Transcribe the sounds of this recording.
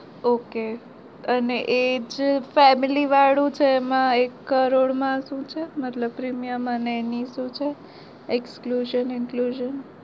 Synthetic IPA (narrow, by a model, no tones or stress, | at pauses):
oke | əneʔed͡ʒfɛmiliʋaɽũt͡ʃʰeːmãekːəɾoɽmãʃũt͡ʃʰemət̪ləb̚pɾimijəməneːniʃũt͡ʃʰe | ekskluʒənɪnkluʒən